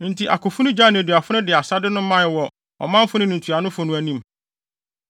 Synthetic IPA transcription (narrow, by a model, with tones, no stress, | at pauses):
n̩˨tʰi˨ʔa̰˨kʰʊ˨fʊ˦nʊ̃˦d͡ʑa˦ñ˨du˨a˨fʊ˦nʊ̃˦dɪ˨a˨sa˦dɪ˦nʊ̃˦mã˦˨wɔ˨ | ɔ̰˨mã˦m̩˦fʊ˦nɪ̃˦nũ˨tʰu˨a˨nʊ̃˦fʊ˨nʊ̃˦æ˨nĩ˦m